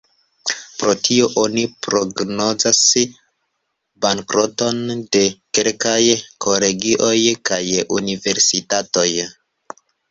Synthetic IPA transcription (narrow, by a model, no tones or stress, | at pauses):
pɾo̞tʰio̞ʔonipɾo̞ɡno̞zas | baŋkɾo̞to̞nde̞ke̞lkajkʰo̞le̞ɡiʔo̞jkajunive̞ɾsitato̞j